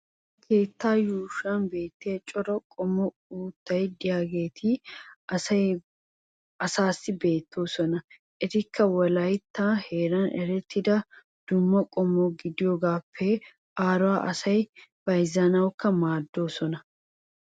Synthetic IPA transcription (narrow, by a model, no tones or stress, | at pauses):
kʰe̞ːt̪ːaːjuːʃanbe̞ːt̪ːe̞ːt͡ʃʼɔɾɔkʼɔmɔ | uːt̪ːɐjd̪ɪjaːɡe̞ːt̪ʰiːɐɐj | ɐsaːsːɪbe̞ːt̪ʰːoːsɔnɐ | ʔɪɾɪkʰːɐwɐlɐjt̪ːaːhe̞ːɾɐnɛɾɛt̪ːɪd̪ɐ | d̪̥ʊmːɐkʼɔmɔːɡɪd̪ɪjoɡaːpːeː | ʔaːɾʊaːʔɐsɐjb̥ɐjzɐnɐwkːɐmaːd̪ːoːsɔnɐ